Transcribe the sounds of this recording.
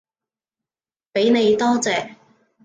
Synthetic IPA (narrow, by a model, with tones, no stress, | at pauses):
pe˨˥jne˨˧jt̪ɔː˥t͡sɛː˨